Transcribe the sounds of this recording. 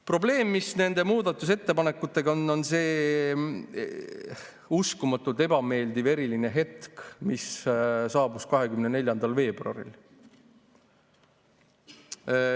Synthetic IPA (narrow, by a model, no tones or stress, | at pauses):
pro̞ble̞ːmːisne̞nd̪̥e̞muːd̪̥ɑt̪ːˑus̬e̞t̪ːe̞pɑne̞kːˑut̪ːˑe̞ɡ̥ɑonːo̞nse̞ː | uskumɑt̪ːˑult̪e̞b̥ɑme̞ːld̪ive̞ɾiline̞ɦe̞t̪kmissɑːb̥uskɑɦe̞kymnene̞lʲjɑnd̪̥ɑlve̞ːbruɑ̰ɾḭl